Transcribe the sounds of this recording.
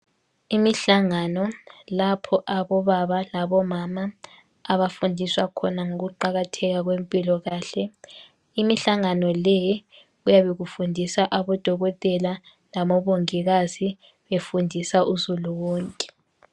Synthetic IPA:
imiɬaŋanɔlapʰɔʔaβɔβaβalaβɔmamaː | βafundʱiswakʰɔnaŋoɣuǃaɣatʰɛɣaɣwempʼilɔɣaːɬɛ | imiɬaŋanɔlɛj | ujaβeɣufundʱisaʔaβɔd̥ʱɔɣɔtʼɛla | lamɔβoŋiɣazi | βefundʱisaʔuzuluwɔːŋkʼɛ̥

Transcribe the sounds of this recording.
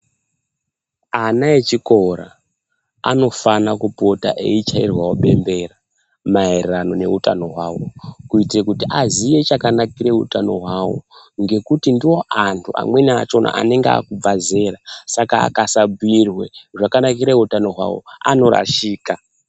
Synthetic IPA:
anaet͡ʃiko̞ɾa̰ː | no̞fanakupo̞ta̰ʔe̞it͡ʃairwawoɓe̞̰mbe̞ra | maerrano̞ne̞̰utano̞ɦwaːwo̞kuitirekutiʔazije̞t͡ʃakanakiɾe̞utano̞ɦwawo̰ | ŋɡe̞kutindiwo̞ʔantʰuʔa̰mwe̞na̰t͡ʃo̞nʔa̰ʔa̰ne̞ŋɡaa̰kub͡vaze̞ːɾasaka̰ːkasabuirwe̞ʐakanak̬iɾeutano̞ɦwa̰wo̞̰a̰no̞ɾa̰ʃiːka

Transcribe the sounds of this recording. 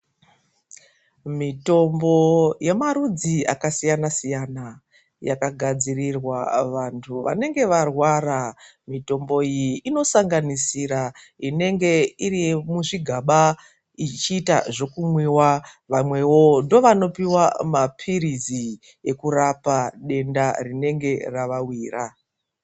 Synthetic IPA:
mito̞mbo̞je̞maɾud͡zia̰kasijanasijana | ja̰kaɡʱad͡zirirwaʋantʰuʋa̰ne̞ŋɡe̞ʋarwaɾa | mito̞mbo̞ijiino̞saŋɡanisiɾa | ine̞ŋɡe̞irimuʐiɡʱaɓa | it͡ʃiːta̰ʐo̞kumwiwaʋamwe̞wo̞ndo̞ʋano̞piwamapʰiɾizi | je̞kuɾapaɗe̞ndarine̞ŋɡe̞raʋawiːra

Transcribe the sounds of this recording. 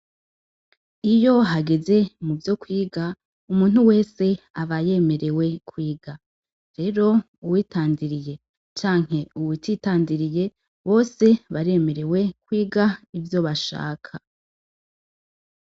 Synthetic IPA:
ijo̞ɦaɡe̞ze̞muvjo̞kwiːɡa | umuːn̥huwe̞ːse̞ | aβaje̞me̞ɾe̞we̞kwiːɡa | ɾe̞ɾo̞ | uwiːtaːndiɾije̞ | t͡ʃaːŋ̥he̞uwititaːndiɾije̞ | βo̞ːse̞βaɾe̞me̞ɾe̞we̞kwiːɡaivjo̞βaʃa̰ːkʰa

